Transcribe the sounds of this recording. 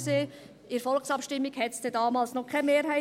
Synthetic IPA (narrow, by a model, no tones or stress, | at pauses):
seː | ɪɾfɔlksɑpʃtɪmːiɡhɛtsd̥ɛdɑːmɑːlsnɔkʰɛmeːɾɦæɪ